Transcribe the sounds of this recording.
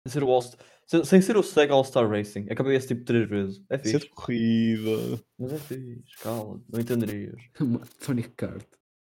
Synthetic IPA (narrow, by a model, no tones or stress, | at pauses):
sẽj̃s̬eɾuɔlˠst̪ | sẽsẽj̃seɾusɛɣalˠst̪aɾʁejsĩɐkɐβejest̪iput̪ɾeʒvezʃɛfiʃed̪kuʁiðɐ̰mɐzɛfiʃkalˠɐ̰nɐ̃w̃ẽnt̪ẽnd̪ɨɾiɐ̰ʃumɐsɔnika̰ɾt̪